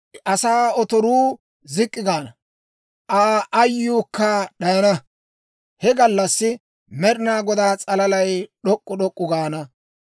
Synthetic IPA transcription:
ʔɐsaːɔt̪ɔɾuː | zɪkʼːɪɡaːnɐ | ʔaːʔɐjːuːkːɐɗɐjɐnɐ | hɛɡɐlːɐsːɪ | mɛɾɪnaːɡɔd̪aːt͡sʼɐlɐlɐjɗɔkʼːɔɗɔkʼːʊɡaːnɐ

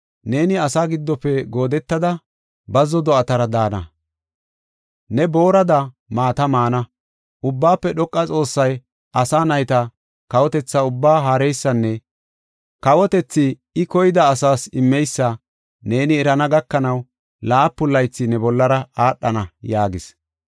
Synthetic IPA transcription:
ne̞ːnɪɐsaːɡɪd̪ːɔpːɛɡo̞ːd̪ɛt̪ːɐd̪ɐ | bɐzːɔd̪ɔɐt̪ɐɾɐd̪aːnɐ | nɛbo̞ːɾɐd̪ɐ | maːt̪ɐmaːnɐ | ʔʊbːaːpːɛɗɔkʼːɐt͡sʼo̞ːsːɐj | ʔɐsaːnɐjt̪ɐ | kɐwɔt̪ɛt͡sːɐʊbːaːɦaːɾɛjsːɐnːɛ | kɐwɔt̪ɛt͡sːɪ | ɪkɔjɪd̪ɐːsaːsɪmːɛjsːɐ | ne̞ːnɪːɾɐnɐɡɐkːɐnɐw | laːpːʊlːɐjt͡sːɪnɛbɔlːɐɾɐaːɗːɐnɐjaːɡɪs

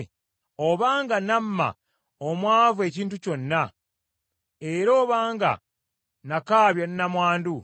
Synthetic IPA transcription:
oβaːŋɡanamːa̰ | omwaːvue̞ciːntuco̞nːa | eɾo̞ːβaːŋɡa̰ | nakaːβjannamwaːndu

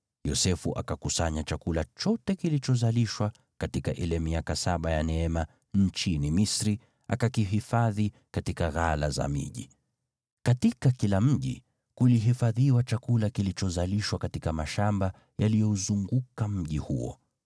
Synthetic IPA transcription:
jɔsɛfuʔa̰kakusaɲat͡ʃakulat͡ʃɔtɛkilit͡ʃɔzaliʃwa | katikaʔilɛmiakasaɓajanɛɛma | n̩t͡ʃinimisɾi | a̰kakiɦifaði | katikaɣala̰za̰mḭʄḭ | katikakilam̩ʄḭ | kuliɦifaðiwat͡ʃakulakilit͡ʃɔzaliʃwakatikamaʃamba | jalijɔuzuŋɡukam̩ʄihṵɔ̰

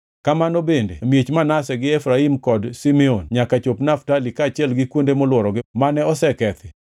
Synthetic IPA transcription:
kamanobendḛmjet͡ʃmanasɛɡɪɛfɾaimkɔdsimɛonɲakat͡ʃopnaftalikaːt͡ʃɛlɡɪkwondemɔlwɔɾɔɡɪmanɛɔsɛkɛt̪ɪ

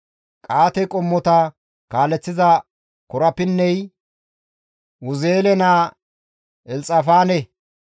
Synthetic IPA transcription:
kʼaːt̪ɛkʼɔmːɔt̪ɐ | kaːlɛt͡sːɪzɐ | kɔɾɐpːɪnːɛj | wʊzeːlɛnaː | ɛlt͡sʼɐfaːnɛ

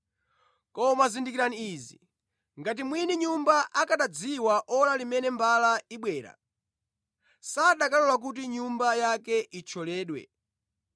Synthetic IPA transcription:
kɔmazindikiɾaniːzi | ŋɡat̬imwiniɲumbaʔakaɗad͡ziwaʔɔlalimɛnɛmbalaiɓwɛːɾa̰ | saɗakalɔlak̬ut̬iɲumbajakɛit͡ʃʰɔlɛːɗwɛ̰

